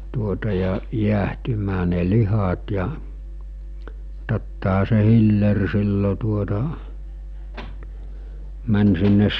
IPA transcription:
tuotɑ jɑ jiæhtymæː ne lihɑt jɑ totːɑɦɑ se hilːer silːo tuotɑ mæn sinːes

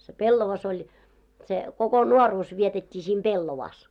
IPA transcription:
se pelːoʋɑs olʲ se koko nuoruːs ʋietetʲːiː sim b̥elːoʋɑːs

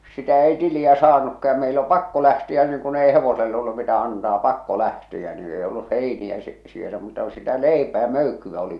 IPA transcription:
sitæ ei tiliæ sɑːnukːɑ jɑ meil o pɑkːo læhtiæ niːŋ kun ei heʋosel olːu mitæ ɑntɑː pɑkːo læhtiæ niː ei olːuh heiniæ si sielæ muːtɑ ku sitæ leipæː møykːyʋ̆æ oli

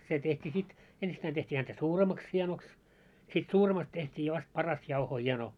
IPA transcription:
se tehtiː sit ensitːæin tehtʲiː hæntæ suːremɑks hie̞noks sit suːremɑst tehtʲiː ʋɑst pɑrɑst jɑuhoː hie̞no

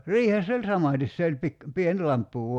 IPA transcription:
riːhesː olʲ sɑmɑˑtis se olʲ pik pien lɑmpːu

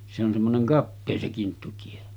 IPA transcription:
se on semːoneŋ kɑpːeː se kintːutie

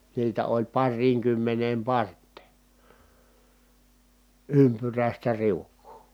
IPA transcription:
niːtæ olʲ pɑrːiːŋkymːeneːm pɑrtˑeˑ ympyræˑistæ riukːuː

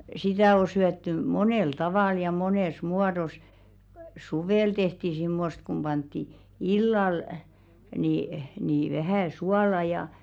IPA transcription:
sitæ o syætːy moneˑl tɑʋɑˑl jɑ moneˑs muɑdos suʋeˑl tehti simːost kum b̥ɑntːi ilːɑl ni ni ʋæhæˑ suɑlɑ jɑ

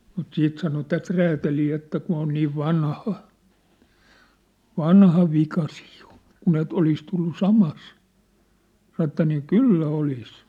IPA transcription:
mut siːt sɑno tæt ræːtæliː etːæ kun̞ on niːʋ ʋɑnhɑ ʋɑnhɑ ʋikɑ siːj̊ j̊o̥ kun et olis tulːu sɑmɑs sɑn̆ ĕtːæ niː kylːæ olis

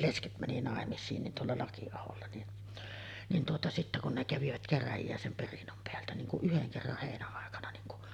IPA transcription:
lesket mæni nɑˑemisˑiːn nin tuolːɑ lɑkiɑholːɑ nin nin tuotɑ sitːæ kun ne kæʋiʋæt kæræjijæ sem perinːom peæltæ niŋ kuʔ ʔyheŋ kerːɑh heˑinæɑˑekɑnɑ niŋ ku

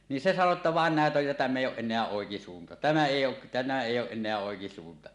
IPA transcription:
niːn se sɑno tːɑ ʋɑˑen næˑet oj jɑ tæmː eˑijˑ oːʔ ʔenˑeæ oˑekisuːntɑ tæmæ eˑij oː tæmæ eˑijː oːʔ ʔenˑeæ oˑekisuːntɑ

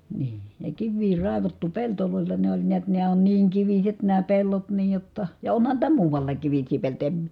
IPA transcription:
niː jɑ kiʋːiː rɑˑeʋɑtːu peltoloˑelːɑ ne olʲ niæt næː on niːŋ kiʋiset næː pelːot niːj jotːɑ jɑ onhɑn niːtæ muːʋɑlːɑːk kiʋisˑiː peltojɑ em

